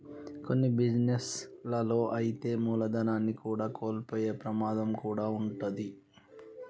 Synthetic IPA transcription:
ko̞nːibid͡ʒneslɐlo̞ːʔɐjit̪e̞ːmuːlɐd̪ɐnaːnːikuːɽaːko̞ːlpoːjeːpɾɐmaːd̪ɐmkuːɽaːuɳʈɐd̪i

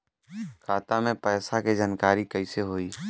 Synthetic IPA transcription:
kʰaːt̪amẽpɛːsaked͡ʒaːnkaːɾikəɪseɦoːiː

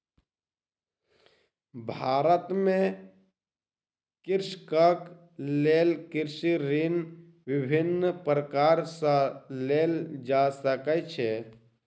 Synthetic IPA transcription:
bʱaːɾət̪mẽ | kɪɾʃkək | leːlkɪɾʃiɾin | ʋɪbʱɪnpɾəkaːɾsəleːld͡ʒasəkət͡ʃʰe

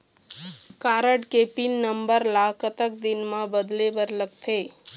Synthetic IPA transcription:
kaɾəɖkepinːəmbəɾlakət̪ək̚d̪ɪnmãbəd̪lebəɾləɡ̚t̪ʰe

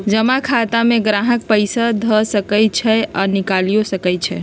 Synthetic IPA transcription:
d͡ʒəmakʰat̪ameɡɾaɦək̚pəjsad̪ʱəsəkəj̚t͡ʃʰɛanikalijosəkəj̚t͡ʃʰɛ

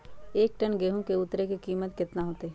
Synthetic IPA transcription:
eːk̚ʈənɡeɦũkeʊt̪ɾekikiːmət̪kɪt̪naɦoːt̪eː

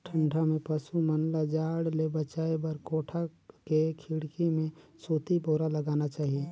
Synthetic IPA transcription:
ʈʰə̃ɳɖʰʱamẽpɐsumɐnlad͡ʒaːɽlebət͡ʃaːebɐɾkoːʈʰakekʰɪɽkimẽsoːt̪iboːɾalɐɡaːnat͡ʃaːɦieː

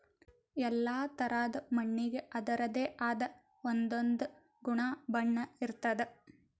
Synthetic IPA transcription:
ɛlːaːt̪ɐɾaːd̪ɐmɐɳːiɡeʔɐd̪ɐɾɐd̪e̞ːʔaːd̪ɐ | ond̪ond̪u | ɡuɳaːbɐɳːɐiɾt̪ɐd̪e

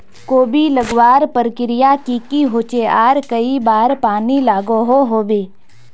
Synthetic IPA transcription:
koːbiləɡwaːɾpəɾkɪɾɪjakikiɦoːt͡ʃeaːɾkɐibaːɾpaːnilaːɡoɦoɦoːbeː

